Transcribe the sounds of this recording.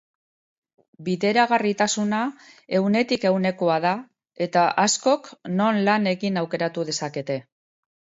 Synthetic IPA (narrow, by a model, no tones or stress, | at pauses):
biðe̞ɾaɣarit̪asuna | e̞wne̞t̪ike̞wne̞ko̞aða | e̞t̪aʔasko̞kno̞nlane̞ɣinawke̞ɾat̪uð̞e̞sake̞t̪e̞